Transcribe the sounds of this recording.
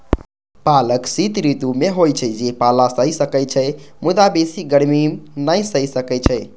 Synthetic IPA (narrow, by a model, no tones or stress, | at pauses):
paləksit̪ɾit̪umeɦojt͡ʃʰəd͡ʒepalasəjsəkəjt͡ʃʰəjmud̪abesiɡəɽmimnəjsəjsəkɛt͡ʃʰə